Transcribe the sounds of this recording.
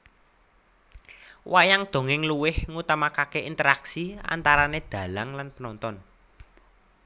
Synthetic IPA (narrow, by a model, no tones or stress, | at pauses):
wajaŋd̪̥o̤ŋɪŋluwɪhŋut̪amakakeint̪əɾaksia̰nt̪aɾaned̪̥ä̤laŋlanpənɔnt̪ɔn